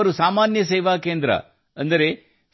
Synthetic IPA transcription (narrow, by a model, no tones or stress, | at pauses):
ɐɾusaːmaːnjɐseːʋaːkeːnd̪ɾɐ̰ | ɐnd̪ɐɾe